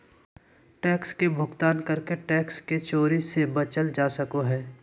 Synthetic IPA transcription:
ʈɛːkskebʱʊɡt̪aːnkəɾkeʈɛːksket͡ʃoːɾisebət͡ʃəld͡ʒaːsəkoɦɛː

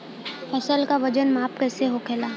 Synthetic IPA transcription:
fɐsəlkaʋɐd͡ʒənmaːp̚kɛːseɦokʰeːlaː

